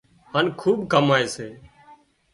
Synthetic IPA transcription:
haːnkʰuːɓkəmaːeːseː

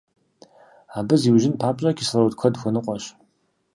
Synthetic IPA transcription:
aːbɨziwʒɪnpʰaːpʼɐkʲʰislɐwtkʷʰɐdxʷɔnɨqʷʼɔɕ

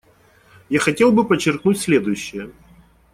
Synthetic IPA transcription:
jaxɐtʲe̞lˠbɨpət͡ɕːɪrknutʲsʲlʲe̞d̪ʊjʉɕːɪjə

